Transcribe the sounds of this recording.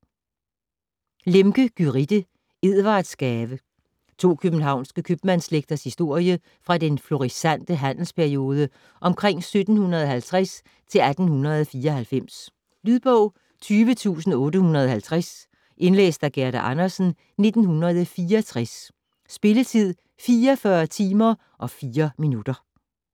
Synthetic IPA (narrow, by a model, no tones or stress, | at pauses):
lemɡ̥əɡ̥yʁid̥ə | e̝ð̰ˠʋɑ̈ːd̥sɡ̥ɛːʋə | t͡sʰo̝̰ːkʰøb̥n̩ɦɑ̈ʊ̰nsɡ̥əkʰøb̥mænsleɡ̥̚d̥ɐshisd̥o̝ɐ̰jə | fʁɑ̈d̥enflo̝ʁisæn̰d̥əɦæn̰l̩spʰæɐio̝ːð̞ˠə | ʔɒ̽mkʰʁeŋ̰sød̥n̩hunɐð̞ˠɒɦælt͡sʰʁæs | t͡sʰe̝læd̥n̩hunɐð̞ˠɒfiːɐɒhælfem̰s | lyðˠb̥ɔʊ̰ | t͡sʰyːʋət͡sʰṵːsn̩ɔ̽ːɾəhunɐðˠɒɦælt͡sʰʁas | ʔe̝nlḛːsd̥æɡ̥æɐɾ̥æʔɑ̈nɐsn̩ | ne̝d̥n̩hunɐð̞ˠəfiːɐɒt͡sʰʁas | sb̥e̝lət͡sʰið̞̰ˠ | fiːɐfɶɐt͡sʰiːmɐ | ʔɒ̽fiːɐminud̥ɐ